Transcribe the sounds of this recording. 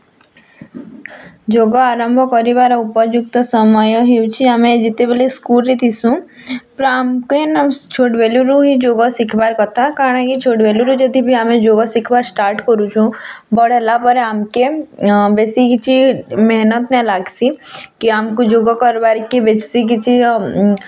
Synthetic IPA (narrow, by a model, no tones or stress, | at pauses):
d͡ʒoːɡaaːɾəmbʱɔkɔɾibaːɾaʊpəd͡ʒʊk̚t̪əsəməjoɦiwt͡ʃʰiamẽd͡ʒɪt̪ebeleskuːlɾit̪ʰisũ | pɾamkenɐmt͡ʃʰoːʈʋeluɾuɦid͡ʒoːɡasɪkʰbaːɾkɔt̪akaɽ̃ãkit͡ʃʰoːʈʋeluɾud͡ʒəd̪ʱibʱiamẽd͡ʒoːɡasɪkʰbaːɾsʈaːɾʈkɔɾut͡ʃʰũbɔɽɛlapəɾamkebeːsikt͡ʃʰimɛɦnət̪nɛ̃laːɡsikiamkud͡ʒoːɡɔkɔɾbaɾkebet͡ʃsikit͡ʃʰi